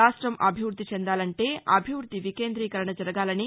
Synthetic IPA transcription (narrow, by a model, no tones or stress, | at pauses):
aːʂʈɾɐmʔɐ̰bʱiʋɾd̪ʱːit͡ʃɛnd̪aːlɐɳʈe̞ːɐbʱiʋɾud̪ʱːiʋikeːnd̪ɾiːkɐɾɐɳɐd͡ʒɐɾɐɡaːlɐni